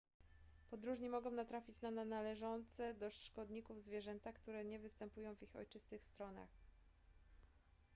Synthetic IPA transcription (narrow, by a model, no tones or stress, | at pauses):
pɔd̪ɾuʐɲimɔɡɔ̃w̃nat̪ɾafʲit͡ɕnananalɛʐɔnt̪sɛd̪ɔʂkɔd̪ɲikuvzvʲjɛʐɛnt̪akt̪uɾɛɲɛvɘst̪ɛmpujɔ̃w̃vixɔ̰jt͡ʂɘst̪ɘxst̪ɾɔna̰x